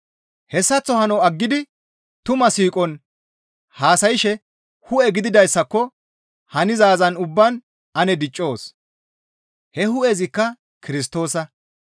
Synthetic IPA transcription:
hɛsːɐt͡sːɔhɐnɔɐɡːɪd̪ɪ | t̪ʊmɐsiːkʼɔn | haːsɐjɪʃɛ | hʊʔɛɡɪd̪ɪd̪ɐjsːɐkːɔ | hɐnɪzaːzɐnʊbːɐn | ɐnɛd̪ɪt͡ʃʼːo̞ːs | hɛhʊʔɛzɪkːɐ | kɪɾɪs̬t̪o̞ːsɐ

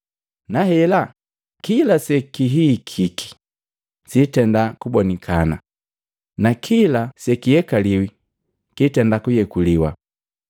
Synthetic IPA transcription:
nahɛla | kilasɛkiɦikʰikʰi̥ | sitɛndakubɔnikʰana̰ | nakʰilasɛkijɛkaliwi | kitɛndakujɛkuliwa̰

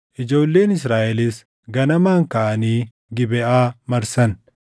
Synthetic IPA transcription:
ʔɪd͡ʒo̞ːlːe̞ːnɪsɾaːʔɛlɪs | ɡɐnɐmaːŋkɐʔɐniː | ɡɪbɛʔaːmɐɾsɐn

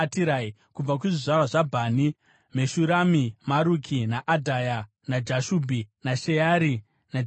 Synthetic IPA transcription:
tiɾai | kub͡vak̬uʐiʐarwaʐabʱaːni | me̞ʃuɾamimaɾukʰinaʔadʱaja | nad͡ʒaʃubʱinaʃejaɾi | na

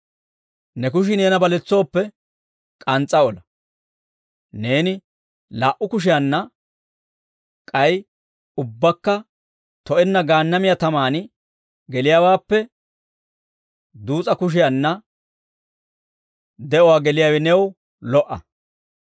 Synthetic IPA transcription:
nɛkʊʃ̬ɪne̞ːnɐbɐlɛt͡sːo̞ːpːɛ | kʼɐnt͡sʼːɐɔlɐ | ne̞ːnɪ | laːʔːʊkʊʃ̬ɪjɐnːɐ | kʼɐj | ʊbːɐkːɐ | t̪ɔʔɛnːɐɡaːnːɐmɪjat̪ɐmaːnɪ | ɡɛlɪjaːwaːpːɛ | d̪uːt͡sʼɐkʊʃ̬ɪjɐnːɐ | d̪ɛʔɔwaːɡɛlɪjaːwɛnɛw | lɔʔɐ̰

